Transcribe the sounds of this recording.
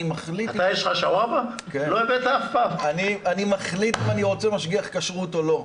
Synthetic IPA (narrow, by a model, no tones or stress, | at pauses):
maχliat̪ajeʃχaʃawaba | keloevet̪aːfpamanianimaχlit̪aniʁo̞t͡semaʃɡiaχkaʃʁut̪olo̞